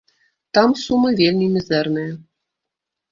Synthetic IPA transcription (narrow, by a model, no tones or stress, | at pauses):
t̪ɑmsumɨvʲelʲmʲimʲɘzɛrnɨjɐ